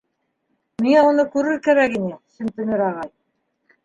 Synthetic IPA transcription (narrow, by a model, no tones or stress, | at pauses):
miŋæunɤkʉɾɘɾkæɾækinɘsɘmt̪ɘ̆nɘɾɑʁɑj